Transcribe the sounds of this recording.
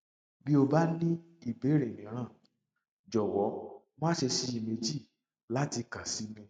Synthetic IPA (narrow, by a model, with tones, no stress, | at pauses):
bi˦o˧ba˦nĩ˦ | i˦˨be˨˦ɾe˨mĩ˨˦ɾ̃ãː˦˨ | d͡ʒɔ˨wɔ˨˦ | mã˦ʃe˧si˧˦i˨me˧d͡ʒi˦˨ | la˦ti˧ka˨si˨˦mĩ˧